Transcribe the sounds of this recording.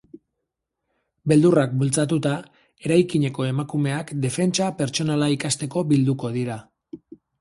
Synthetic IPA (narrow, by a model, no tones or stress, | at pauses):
be̞ld̪urak̚bult͡sat̪ut̪a | e̞ɾajkiɲe̞ko̞e̞makume̞akd̪e̞fe̞nt͡ʃape̞ɾt͡ʃo̞nalaikast̪e̞ko̞bild̪uko̞ðiɾa